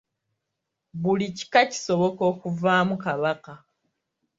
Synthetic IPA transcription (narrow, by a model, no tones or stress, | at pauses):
βulici̥kaci̥so̞βo̞ko̞ːkuvaːmukaβaka